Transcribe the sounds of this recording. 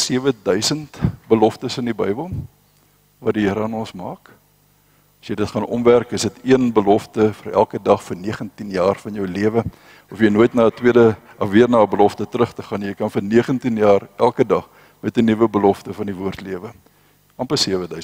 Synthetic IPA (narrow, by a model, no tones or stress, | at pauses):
siəvədœɥsəntbəlɔftəsəndibəjbəlˠ | vɐtdiɦəɾəɐnɔnsmɑ̰ːk | ɐsjəjdətχɐnʔɔ̰mværkəsətiənbəlɔftəfəɾæ̰lˠkədɐχfərniəχəntinjɑːrfɐnjəwliəvə | ɔfjəjnuəjtnɑːətwiədə | ɐviərnɑːəbəlɔftətɾəχtəχɐnjəjkɐnfərniəχəntinjɑːrælˠkədɐχ | mɛtənivəbəlɔftəfɐndivuərtliəvə | ɐmpəsiəvədœɥs